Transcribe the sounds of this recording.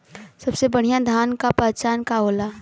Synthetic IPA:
sɐbsebɐɽ̤ijãd̪ʱaːnkapəːt͡ʃaːnkaɦoːlaː

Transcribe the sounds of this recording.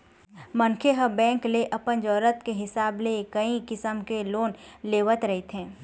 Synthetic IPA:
mənkʰeɦəbɛ̃ːŋkleʔɐpənd͡ʒɔːɾət̪keɦɪsaːblekɐĩkɪsəmkeloːnleːʋət̪ɾɐɦit̪ʰɦɛ̃ː

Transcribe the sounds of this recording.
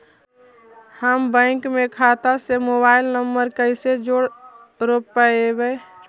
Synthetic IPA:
həmbə̃ɪŋkmẽkʰaːt̪asemobaːɪlnəmbəɾkəɪsed͡ʒoːɽ | ɾoppaebəː

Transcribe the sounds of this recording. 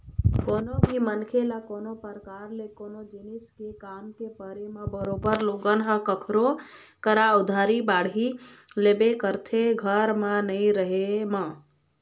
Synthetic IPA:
konobʱimənkʰelakonopəɾəkaɾlekonod͡ʒiniskekamkepəɾemãbəɾobəɾloɡənɦə̃kəkʰɾo | kəɾaʊd̪ʱaɾibaɽɦilebekəɾt̪ʰeɡʱəɾmanəĩɾəɦema

